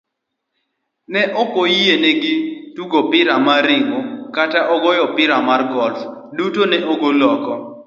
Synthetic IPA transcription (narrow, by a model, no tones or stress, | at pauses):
nɛʔɔkojieneɡɪtuɡopɪɾamaɾɪŋokataʔɔɡɔjɔpɪɾamarɡɔlfdutonɛʔoɡolɔkɔ